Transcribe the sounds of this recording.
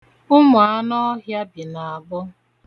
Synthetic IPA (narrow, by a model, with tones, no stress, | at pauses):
ʊ˦mʊ˨a˦nɔ˦ɦja˦bi˨na˨a˨ɡ͡bʊ˦